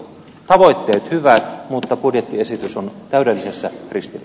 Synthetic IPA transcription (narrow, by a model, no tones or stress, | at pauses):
t̪ɑʋoit̪ːeːt̪hyʋæt̪mut̪ːɑpudjet̪ːiesit̪ysont̪æydelːisesːækrist̪il